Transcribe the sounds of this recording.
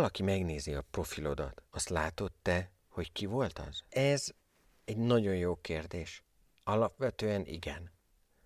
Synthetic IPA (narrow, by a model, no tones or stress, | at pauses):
ɒlɒkimɛɡneːziɒpro̞filo̞d̪ɒ̰t̪ɒst̪laːt̪o̞t̪ːɛ | ho̞ckivo̞lt̪ɒ̰z̥ɛz | ɛɟnɒɟo̞njoːkeːrd̪eːʃ | ɒlɒpʋɛt̪øːɛnḭɡɛn